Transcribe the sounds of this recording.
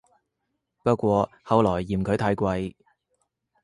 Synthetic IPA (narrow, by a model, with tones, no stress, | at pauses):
pɐ˥t̚kʷɔː˧ | hɐ˨˧wlɔː˨˩jːiː˨˩mkʰɵ˨˧˥t̪ʰɐː˨˧˥jkʷɐ˧j